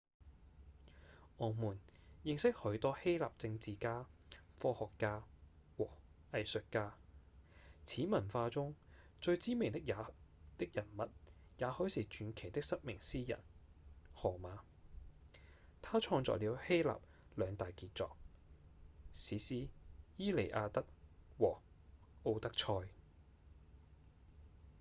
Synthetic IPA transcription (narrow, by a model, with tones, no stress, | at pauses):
ʔɔː˨˩muː˨˩njɪ˧ŋsɪ˥k̚hɵ˨˧˥ɥt̪ɔː˥he˥jla̰ː˨p̚t͡sɪ˧ŋt͡siː˨kaː˥fɔː˧hɔː˨kːaː˧wɔː˨˩ | ɐ˨jsɵ˨t̚kaː˧ | t͡sʰiː˨˥mɐ˨˩nfaː˧t͡sʊ˥ŋ | t͡ʃɵ˧ɥt͡siː˥mɪ˨ŋt̪ɪ˥k̚jaː˨˧t̪ɪ˥k̚jɐ˨˩nmɐ˨t̚ | jaː˨˧hɔː˨˥jsiː˨˩t͡ʃyː˨˧nkʰe˨˩jt̪ɪ˥k̚sɐ˥t̚mɪ˨˩ŋsiː˥jɐ̰˨˩nhɔː˨˩maː˨˧ | t̪ʰaː˥t͡ʃʰɔː˧ŋt͡sɔ̰ː˨k̚liː˨˧whe˥jla̰ː˨p̚ | lœː˨˧ŋt̪aː˨jkiː˧t̚t͡sɔ̰ː˨k̚ | siː˨˥siː˥jiː˥le˨˩jʔaː˧t̪ɐ˥k̚wɔː˨˩ | ʔo˧wt̪ɐ˥k̚t͡ʃʰɔː˧j